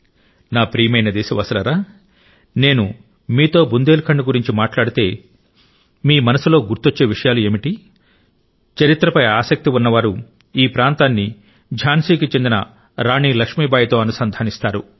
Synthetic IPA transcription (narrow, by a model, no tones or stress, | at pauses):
naːpɾiːmɐjnɐd̪ɛːsɐʋɐsɐlɐɾaː | ne̞ːnu | miːt̪o̞ːbund̪eːlukʰɐɳɖuɡuɾiɲt͡ʃimaːʈlaːɽit̪e̞ː | miːmɐnɐsulo̞ːɡuɾt̪ot͡ʃːe̞ːʋiʂɐjaːlue̞ːmiʈi | t͡ʃɐɾit̪ɾɐpɐjaːsɐk̚t̪iunːɐʋaːɾu | iːpɾaːnt̪aːnːi | d͡ʒʱaːnsiːkit͡ʃe̞nd̪inɐ̰ | ɾaːɳiːlɐkʂmiːbaːjɐt̪o̞ːɐnusɐnd̪ʱaːnist̪aːɾu